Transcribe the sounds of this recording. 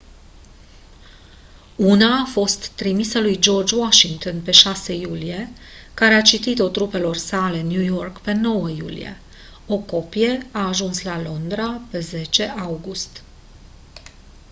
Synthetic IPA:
unaːfo̞st̪ːɾimisəlujd͡ʒo̞rd͡ʒwaʃiŋt̪onpe̞ʃasejulije̞ | kaɾe̞at͡ʃit̪it̪o̞t̪ɾupe̞lo̞rsale̞njujo̞rkpe̞no̞wəjṵlḭje̞̰ | o̞ko̞pije̞aːʒunslalo̞nd̪ɾape̞ze̞t͡ʃe̞ʔawɡust̪

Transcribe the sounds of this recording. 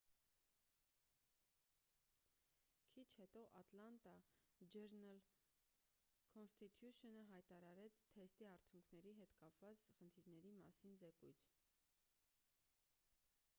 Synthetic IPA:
kʰit͡ʃʰhɛt̪ɔʔɑt̪lɑnt̪ɑd͡ʒɛɾnəl | kʰɔnst̪it̪ʰjuʃɔnəɦɑjt̪ɑɾɑɾɛt͡sʰt̪ʰɛst̪iɑɾt͡sʰjuŋkʰnɛɾiɦɛt̪kɑpvɑt͡sχənt̪ʰiɾnɛɾimɑsinzɛkujt͡sʰ

